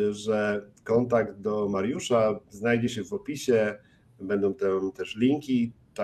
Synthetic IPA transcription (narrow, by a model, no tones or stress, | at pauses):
ʐɛkɔnt̪̬aɡd̪̚d̪ɔmaɾjuʂaznajd͡ʑɛɕɛvɔpʲiɕɛ | bɛnd̪ɔ̃w̃t̪ɛt̪ɛʂlʲiŋkʲi | t̪a